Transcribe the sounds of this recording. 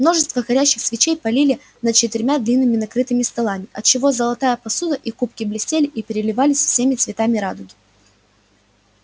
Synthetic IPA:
mno̞ʐɨst̪vəxɐɾʲæɕːɪxsvʲɪt͡ɕejpɐlʲilʲɪ | nət̪̚t͡ɕɪt̪ɪɾʲmʲad̪lʲinːɨmʲɪnɐkɾɨt̪ɨmʲɪst̪ɐlˠamʲɪʔɐt̪̚t͡ɕːɪvo̞zəlˠɐt̪ajəpɐsud̪əʔikupkʲɪblʲɪsʲtʲelʲɪʔipʲɪɾʲɪlʲɪvalʲɪsʲfsʲemʲɪt̪svʲɪt̪amʲɪɾad̪ʊɡʲɪ

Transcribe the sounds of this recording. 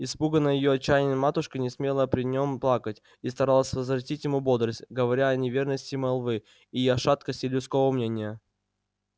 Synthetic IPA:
ɪspuɡənəjɪjoɐt͡ɕːæjnʲɪnmat̪ʊʂkənʲɪsmʲelˠəpɾʲɪnʲo̞mplˠakətʲ | ist̪ɐɾalˠəsʲvəzvrɐtʲitʲjɪmubod̪ɾəsʲtʲɡəvɐɾʲaɐnʲɪvʲe̞rnəsʲtʲɪmɐlˠvɨ | ijɐʂat̪kəsʲtʲɪlʲʊt̪sko̞vəmnʲenʲɪjə

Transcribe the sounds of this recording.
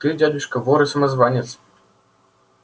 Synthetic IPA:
t̪ɨdʲad̪ʲuʂkɐvɔɾɨsɐmɐzvanʲɛt̪s

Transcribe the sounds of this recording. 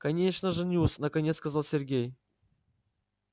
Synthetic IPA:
kɐnʲeʂnəʐɨnʲusnəkɐnʲet̪skɐzalˠsʲɪrɡʲej

